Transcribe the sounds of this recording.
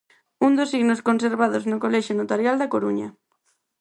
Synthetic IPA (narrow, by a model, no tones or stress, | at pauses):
und̪osiɣnoskonseɾβaðoznokolɛʃonot̪aɾjald̪akoɾuɲɐ̰